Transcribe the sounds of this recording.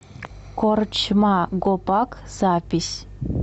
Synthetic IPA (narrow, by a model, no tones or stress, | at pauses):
kort͡ʃmaɡopakz̥apʲisʲ